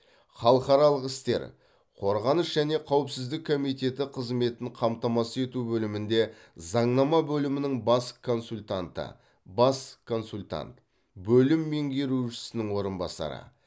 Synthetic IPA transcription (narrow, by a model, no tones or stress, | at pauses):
χɑlˠəqɑɾɑlˠəqɪst̪e̞̰ɾ | qʰo̞ɾʁɑnəsʒæne̞qʰɑwəpsɪzd̪ɪkʰːo̞mijt̪e̞t̪ɪqʰəzme̞t̪ɪɴqʰɑmt̪ɑmɑsəe̞t̪ubɵlɪmɪnd̪e̞ | zɑɴnɑmɑbɵlɪmɪnɪŋbɑskʰo̞nsulʲt̪ant̪ə̰ | bɑskʰo̞nsulʲt̪a̰nt̪ | bɵlɪmːe̞ŋɡʲe̞ɾuʃɪ̥sɪnɪŋwo̞ɾənbɑ̰sɑ̰ɾə̰